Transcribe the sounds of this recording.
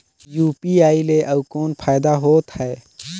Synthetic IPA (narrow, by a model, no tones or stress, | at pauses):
juːpiaːileʔɐbkoːnpʰaːɪd̪aɦoːt̪hɛː